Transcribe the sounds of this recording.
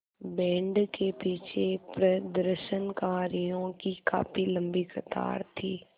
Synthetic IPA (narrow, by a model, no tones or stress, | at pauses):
bɛ̃ːɳɖkepiːt͡ʃʰepɾəd̪əɾʃənkaːɾijõkika̰ːpilə̃mbikʰət̪a̰ːɾt̪ʰiː